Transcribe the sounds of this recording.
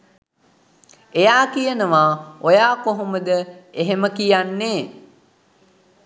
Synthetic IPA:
ejaːkijənəʋaːojaːkoɦoməd̪əeɦeməkijanːeː

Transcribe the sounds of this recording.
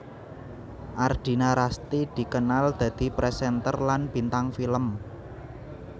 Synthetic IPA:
ʔard̪̥i̤naɾast̪id̪̥i̤kənald̪̥ä̤d̪̥i̤pɾesɛnt̪ərlanb̥i̤nt̪aŋfiləm

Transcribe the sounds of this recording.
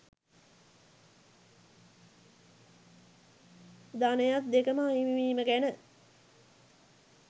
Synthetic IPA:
d̪anəjat̪̚d̪ekəməaimiʋiːməɡænə

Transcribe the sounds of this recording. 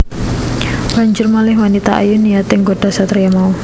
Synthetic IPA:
b̥a̤ɲd͡ʒʊrmalɪɦwanit̪aa̰junijat̪ɪŋɡoɖ̥a̤sat̪rijamau

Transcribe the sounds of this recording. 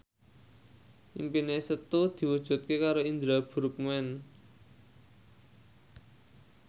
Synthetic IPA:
ʔḭmpinesət̪ud̪̥i̤wud̥ʒ̥ṳt̪̚kekaɾoind̪ɾab̥ṳɾup̚muɛn

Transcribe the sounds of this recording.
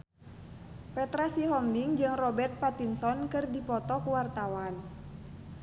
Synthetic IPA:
pɛt̪ɾasiɦɔmdiŋd͡ʒɨŋrɔbɛrt̪̚pat̪insɔnkɨrdipɔt̪ɔkuwart̪awan

